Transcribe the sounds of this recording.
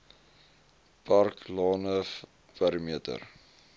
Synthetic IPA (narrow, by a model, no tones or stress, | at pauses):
pɐrklɑːnə | pæɾəmiətə̰r